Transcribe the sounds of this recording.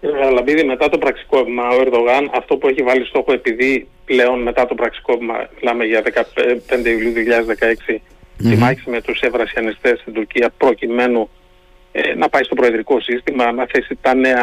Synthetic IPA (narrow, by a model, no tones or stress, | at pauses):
ceɾɣɐlɐmbiðime̞t̪ɐt̪o̞pɾɐksi̥ko̞pimɐoeɾðo̞ɣɐnɐft̪o̞pueçivɐlist̪o̞xoe̞piði | ple̞o̞nme̞t̪ɐt̪o̞pɾɐksi̥ko̞pimɐ̰milɐmeʝɐðe̞kɐpe̞nd̪eiuliuðijoçiʎɐðezðekɐe̞ksi | t̪imɐçi̥semet̪use̞vɾɐsɐnist̪e̞st̪ind̪uɾciɐpɾo̞cime̞nu | ḛnɐpɐist̪o̞pɾo̞eðɾiko̞sist̪imɐnɐθe̞sit̪ɐne̞ɐ